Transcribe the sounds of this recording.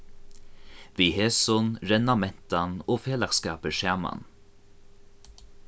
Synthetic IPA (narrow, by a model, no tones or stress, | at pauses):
ʋiːheːsʊnɾɛnɑmɛnt̪ɑnoːfeːlɑkskɑːpəʃæːmɑ̰n